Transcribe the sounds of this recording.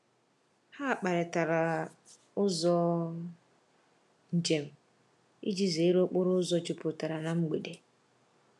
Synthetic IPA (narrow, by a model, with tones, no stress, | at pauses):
ha˦a˨k͡pa˨ɾɪ˨ta˨ɾa˨ | ʊ˦zɔ˦ | n̩˨d͡ʒe˨m̩˨ | ḭ˦d͡ʒi˦ze˨˦ɾo˦k͡pʊ˦ɾʊ˦ʊ˦zɔ˦d͡ʒɪ˦pʊ˨ta˨ɾa˨na˨ŋ͡m̩˦ɡ͡be˨de˨